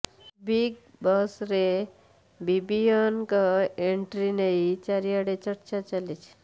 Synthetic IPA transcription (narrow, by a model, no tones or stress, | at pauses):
biɡ̚ | bəsɾe | bibijənkaeɳʈɾinəit͡ɕaɾijaɽet͡ɕəɾt͡ɕat͡ɕalit͡ɕ